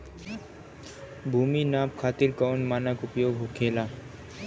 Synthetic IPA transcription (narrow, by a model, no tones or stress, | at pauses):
bʱuːminaːpkʰaːt̪iɾkɔːnmaːnəkʊpjoːɡɦokʰeːlaː